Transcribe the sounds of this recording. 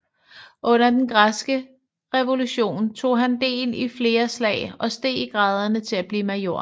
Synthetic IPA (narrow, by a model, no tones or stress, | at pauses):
ʔɔ̽n̰ɐd̥enɡ̥ʁasɡ̥ə | ʁɛʋo̝luɕo̝̰ːnt͡sʰo̝̰ːɦænd̥e̝̰ːlifle̝ːɐslɛ̰ɪɒ̽sd̥e̝̰ːiɡ̥ʁɑ̈ːð̞ˠɐnət͡sʰe̝læb̥liːmɑ̈jo̝ːɐ̰